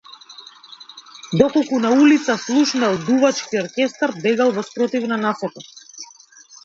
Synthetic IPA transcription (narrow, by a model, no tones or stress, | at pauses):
d̪ɔkɔlˠkunaulit̪saslˠuʃnɛlˠd̪uvat͡ʃkiɔɾkʲɛst̪aɾbɛɡalˠvɔspɾɔt̪ivnanasɔk̪a